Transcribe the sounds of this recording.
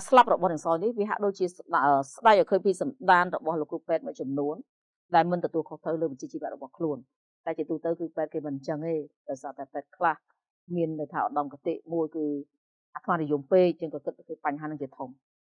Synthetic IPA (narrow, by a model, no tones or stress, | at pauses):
slap̚rɔɓɑhnɨːəŋsaɔjnihʋiəɦa̰ʔɗoːc̚t͡ɕiəəːsɗajʔɔkʰəːpiːsɑnɗaːnrɔɓɑhloːkːrupɛːt̪̚muəj̚t͡ɕɑmnuən | ɗaɛlmɨnt̪ɔt̪uəlkʰoht̪rəwləːʋət͡ɕiət͡ɕiːʋɛ̆əʔ̚rɔɓɑhkʰluən | t̪aɛt͡ɕiət̪uːt̪əwkɨːpɛːt̪̚keːmɨnt͡ɕəŋeːɗɑɔjsaːt̪aɛpɛːt̪̚kʰlah | miənːɨjt̪ʰaːʔɑɗɑmkat̪eːʔmuəjkɨː | ʔat̪ʰmanijumpeːc̚t͡ɕəŋkɑːkɨt̪̚ːkʰəːpaɲɦaːnɨŋt͡ɕiət̪ʰom